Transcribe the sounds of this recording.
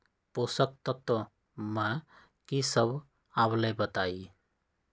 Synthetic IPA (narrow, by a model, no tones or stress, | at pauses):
posək̚t̪ʌt̪ɔ | ma | kisəb | ablebət̪aj